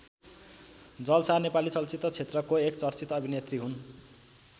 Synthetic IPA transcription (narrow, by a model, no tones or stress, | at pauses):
d͡zʌlsanepalit͡sʌlt͡sit̪ːʌt͡sʰet̪rʌkoekt͡sʌrt͡sit̪ʌbʱinet̪riɦun